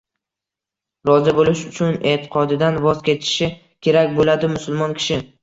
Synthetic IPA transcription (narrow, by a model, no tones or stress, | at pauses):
ɾɒzɪbolɪʃʊt͡ʃʰʊnet̪ʰɪ̥qʰɒd̪ɪd̪anvɒzkʲʰe̞t̪ʰɪ̥ʃɪ | kʲʰe̞ɾakʲbolad̪ɪmʊsʊlˠmɒnkʲʰɪ̥ʃɪ